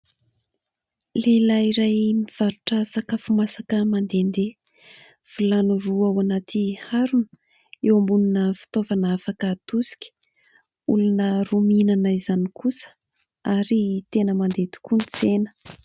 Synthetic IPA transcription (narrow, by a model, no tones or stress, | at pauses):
lelaiɾajmiv̥aɾuʈ͡ʂəsakafumasakəmand̪end̪e | v̥ilanuɾuawanat̪ʰihaɾunə̥ | ewambununəfi̥t̪ovanafakət̪usi̥kʲə̥ | ulunəruminanaizanikusə̥ | aɾit̪enəmand̪et̪u̥kunt͡senə̥